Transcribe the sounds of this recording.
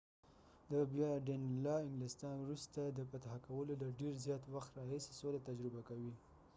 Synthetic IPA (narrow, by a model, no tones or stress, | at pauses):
d̪əbjɑɖenlɑɪŋɡlɪst̪ɑnwɾust̪ad̪əpat̪aɦakawəlolaɖeɾzjɑt̪waxt̪ɾɑɦise̥solat̪ad͡ʒɾɪbakawi